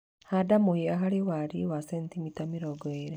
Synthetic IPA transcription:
hadamoheaɦaɾewaɾiwasɛntimitamiɾɔɡeɾɛ

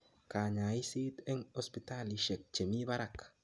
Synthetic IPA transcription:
kaɲaisit̪ɛŋospit̪aliʃek̚t͡ʃemiβaɾak

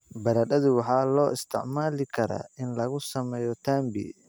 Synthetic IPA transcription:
bɐɾɐɗɐðʊwɑħɑːlɔːɪst̪ʰɪʕmaːlɪkʰɐɾa̰ɪnlɐɣʊsɐmɛːjɔt̪ʰaːmbḭ

